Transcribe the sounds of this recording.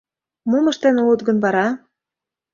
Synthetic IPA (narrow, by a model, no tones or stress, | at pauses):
mumə̆ʃt̪enulət̪ɡə̆nβɑɾɑ